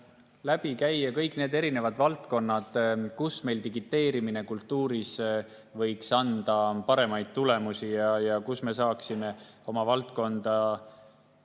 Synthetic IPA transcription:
læb̥ikæjekɤjkːˑne̞ːd̪e̞ɾine̞vɑd̪vɑlt̪ko̞nːɑd̪̥kusme̞jlt̪iɡit̪ːˑe̞ːɾimine̞kult̪ːuːɾisvɤjksɑnd̪̥ɑpɑɾe̞mɑjd̪̥̚t̪ule̞musijɑjɑkusme̞sɑːksime̞o̞mɑvɑlt̪ko̞nd̪̥ɑ

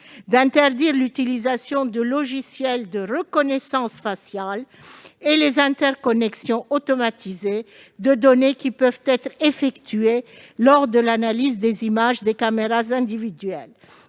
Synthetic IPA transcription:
d̪ɛ̃t̪ɛʁd̪iʁlyt̪ilizasjɔ̃d̪əlɔʒisjɛld̪əʁəkɔnɛsɑ̃sfasjal | elezɛ̃t̪ɛʁkɔnɛksjɔ̃ot̪ɔmat̪ize | d̪əd̪ɔnekʲipœvt̪ɛt̪χefɛkt̪yelɔʁd̪əlanalizd̪ezimaʒd̪ekameʁazɛ̃d̪ivid̪ɥɛl

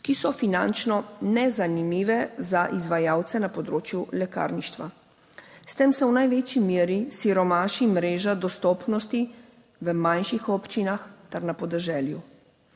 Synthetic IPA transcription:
kisɔfinant͡ʃnɔnɛzanimiːʋɛzaʔizʋajaːwt̪sɛnapɔd̪ɾoːt͡ʃjulɛka̰ːɾniʃt̪ʋa̰ | st̪emsɛwnajʋet͡ʃimeːɾisiɾɔmaːʃimɾeːʒad̪ɔst̪ɔːpnɔst̪i | ʋəmanʃixɔpt͡ʃinaxt̪ɛɾnapɔd̪ɛʒɛːlju

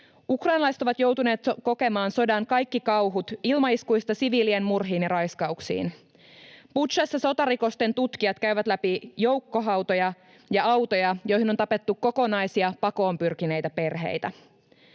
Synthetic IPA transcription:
ukrɑjnɑlɑiset̪oʋɑt̪jo̞wt̪une̞ːt̪ko̞ke̞mɑːnso̞dɑŋkɑjkːikɑwɦut̪ilmɑiskuijst̪ɑsiʋiːlienmurɦiːnjɑrɑjskɑuksḭːn | put̪ʃɑsːæso̞t̪ɑɾiko̞st̪e̞nt̪ut̪k̟iɑt̪kæyʋæt̪læpijo̞wkːo̞ɦɑwt̪o̞jɑ | jɑɑwt̪ojɑjo̞jɦinont̪ɑpe̞t̪ːukkːo̞ko̞nɑjsiɑpɑko̞ːmpyrkine̞jt̪æpe̞rɦe̞̰jt̪æ

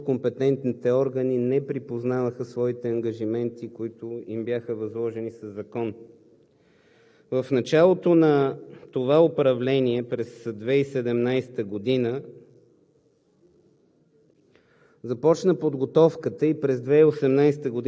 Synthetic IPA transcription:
kompɛt̪ɛnt̪nit̪ɛɔɾɡəninɛpɾipoznavəxəsvɔit̪ɛɐŋɡɐʒimɛnt̪ikoit̪ʊimbjaxəvɐzlˠɔʒɛnisɐzːɐkɔn | vəfnɐt͡ʃalˠot̪onɐt̪ovaʊpɾɐvlɛniɛpɾɛsd̪vɛisɛd̪ɛmnajsɛ̥t̪əɡod̪inə | zɐpɔt͡ʃnəpod̪ɡot̪ɔfkət̪əipɾɛzd̪vɛiosɛmnajsɛ̥t̪əɡod̪

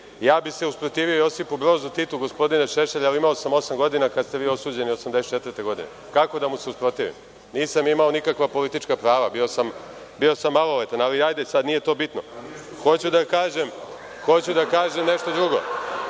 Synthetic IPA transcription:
jaːbise̞uspɾo̞t̪iːʋio̞jo̞sipubɾo̞ːzut̪it̪uɡo̞spo̞d̪ineʃeʃeʎalimaosamo̞samɡo̞d̪inakad̪st̪e̞ʋiːo̞suːd͡ʑe̞niosamd̪est͡ʃet̪ʋəɾt̪eɡo̞d̪ḭnḛ | kako̞d̪amuse̞uspɾo̞t̪iʋḭm | niːsamimao̞nikakʋapo̞lit̪it͡ʃkapɾaːʋabiosam | bio̞samːalolet̪analiajd̪esad̪nije̞t̪oːbit̪no̰xo̞t͡ɕud̪akaːʒem | xo̞t͡ɕud̪akaːʒemne̞ʃt̪od̪ɾuɡo̞̰

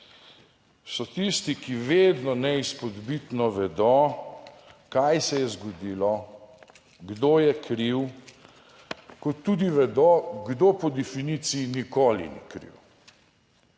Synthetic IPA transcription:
sɔt̪ist̪ikiʋeːd̪nɔnɛispɔd̪bit̪nɔʋɛd̪ɔ | kajsɛjɛzɡɔd̪iːlɔ | ɡd̪oːjɛkɾiw | kɔt̪ːud̪iʋɛd̪oɡd̪opɔd̪ɛfinit̪sijinikoːlḭnḭkɾḭw

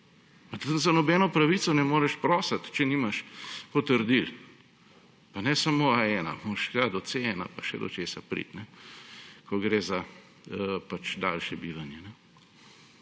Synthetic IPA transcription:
pat̪uzanɔbɛnɔpɾɐʋit̪sɔnɛmoːɾɛʃpɾɔːsat̪t͡ʃɛniːmaʃpɔt̪əɾd̪il | panɛsamoaɛːna̰moʃɡad̪ɔt̪seɛna̰paʃɛ̰d̪ɔ̰t͡ʃeːsapɾḭt̪nɛ | koɡɾeːza | pat͡ʃd̪a̰ːlʃjɛbiːʋanjɛnɛ

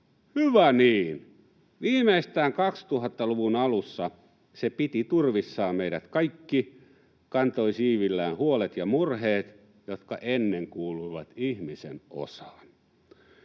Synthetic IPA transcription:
hyʋæniːn | ʋiːmeist̪æːŋkɑkst̪uhɑt̪ːɑluʋunɑlusːɑ | sepit̪it̪urʋisːɑːmmeiɾæt̪kɑikːi | kɑnt̪oisiːʋilːæːnhuolet̪jɑmurheːt̪ | jot̪kɑʔenːeŋkuːluiʋɑt̪ihmiseno̰sɑ̥ːn

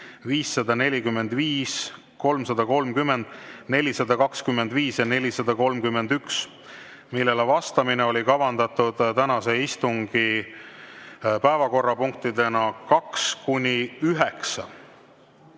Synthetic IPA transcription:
viːsːɑd̪ɑne̞lʲikymːe̞nd̪̥viːs | ko̞lmsɑd̪̥ɑko̞lmkymːe̞nd̪̥ne̞lʲisɑd̪̥ɑkɑkskymːe̞nd̪viːsjɑne̞lʲisɑd̪̥ɑko̞lmkymːe̞nd̪̥yks | milːe̞levɑst̪ɑmineo̞lʲikɑvɑnd̪ɑt̪ud̪̥t̪ænɑse̞ist̪uŋɡ̥i | pæevɑko̞rːɑpuŋk̚t̪id̪e̞nɑkɑkskunʲiyɦeksɑ

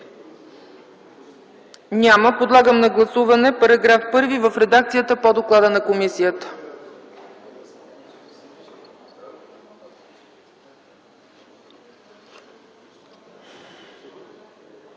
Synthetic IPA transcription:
nʲaməpod̪lˠaɡəmnɐɡlˠɐsuvɐnɛpɐɾɐɡɾafpɤɾvivəfɾɛd̪ak̚t̪sijət̪əpod̪oklˠad̪ənɐkomisijət̪ə̥

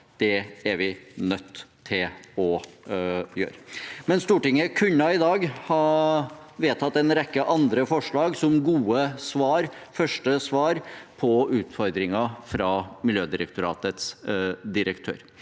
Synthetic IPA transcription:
d̪̥ɛæɾʋɪnœt̪ːʰɪlɔ | jø̰ːɾəmɛnst̪uːʈɪŋːəkʰʉɲːɑɪd̪ɑːɡhɑ | ʋeːt̪ʰɑt̪ːɛnɾɛkːəʔɑnd̪ɾəfɔʂɭɑːɡsɔmɡuːəsʋɑːɾfœʂʈəsʋɑːɾpʰɔʉːt̪fɔɾd̪ɾɪŋɑfɾɑmɪljøːd̪ɪɾəkt̪ʰʊɾɑ̰ːt̪ət̪sd̪ɪɾəkt̪ʰø̰ːɾ

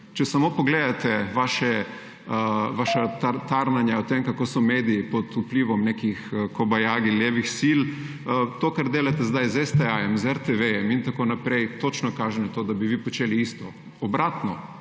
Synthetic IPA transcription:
t͡ʃɛsamoːpɔɡleːd̪at̪ɛʋaːʃɛ | ʋaːʃat̪at̪aɾnanjaɔt̪emkakoːsɔmeːd̪iipɔd̪upliːʋɔmnekixkobajaːɡilʲjeːʋixsil | t̪okaɾd̪eːlat̪ɛzd̪ajzɛst̪ɛajɛmzɛɾt̪ɛʋejɛmint̪akonapɾejt̪ot͡ʃnɔkaːʒɛnɛt̪oːd̪abiʋiːpɔt͡ʃeːliist̪ɔ | ɔbɾʔaːt̪nɔ

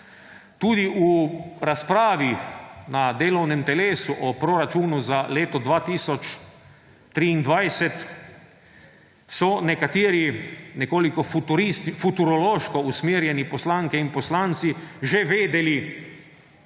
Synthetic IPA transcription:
t̪uːd̪iʔuɾaspɾaːʋinad̪eːlɔwnɛmt̪ɛleːsuʔɔpɾoɾat͡ʃuːnuzaleːt̪ɔd̪ʋaːt̪iːsɔt͡ʃ | t̪ɾiːnd̪ʋajsɛt̪ | sɔnɛkat̪iːɾinɛkoːlikɔfut̪uɾist̪fut̪uɾɔloːʃkɔusmiːɾjɛnipɔslaːŋkɛinpɔslaːnt̪siʒɛʋeːd̪ɛli

